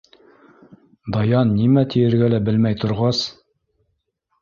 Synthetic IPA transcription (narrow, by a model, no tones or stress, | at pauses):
d̪ɑjɑnːimæt̪ijɘ̆ɾɡælæbɘlmæjt̪ŏɾʁɑs